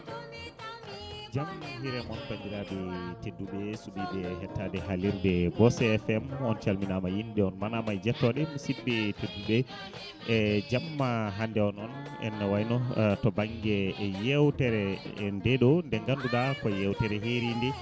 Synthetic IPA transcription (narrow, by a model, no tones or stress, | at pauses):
d͡ʒamahiɾɛmɔnkamdiɾadɛtedːuɓɛsubibɛɦɛtːadɛɦaliɾdɛbɔsɛɛfɛmɔnt͡ʃalminamajinɗɛɔnmanamajd͡ʒɛtːɔɗɛmusibːɛtedːuɓɛ | d͡ʒamːaɦandɛɔnɔn | ɛ̰nːawajnɔtɔbaŋɡɛjɛwtɛɾɛndɛɗɔndɛŋɡanduɗakɔjɛwtɛɾɛɦeɾindɛ